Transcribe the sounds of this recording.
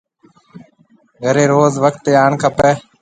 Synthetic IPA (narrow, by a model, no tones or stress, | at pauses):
ɡʱəɾeːɾoːzʋək̚t̪ːeːaːɳkʰəpeː